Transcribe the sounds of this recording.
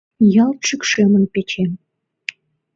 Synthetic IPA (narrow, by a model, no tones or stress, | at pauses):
jɑlt̪ʃykʃemə̆npet͡ɕem